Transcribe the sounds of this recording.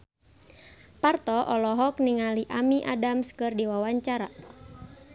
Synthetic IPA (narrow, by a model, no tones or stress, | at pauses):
part̪ɔʔɔlɔɦɔk̚niŋaliʔamiʔadamskɨrdiwawaɲt͡ʃaɾa